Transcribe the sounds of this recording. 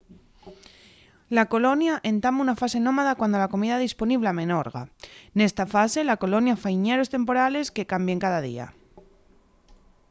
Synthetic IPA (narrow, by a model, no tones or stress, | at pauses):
lako̞lo̞njaʔe̞nt̪amunafase̞nõ̞maðakwand̪o̞lako̞miðaðispo̞niβ̞leamẽ̞no̞ɾɣa̰ne̞st̪afase̞lako̞lo̞njafaiɲe̞ɾo̞st̪e̞mpo̞ɾale̞ske̞kambje̞ŋkaðaðḭa̰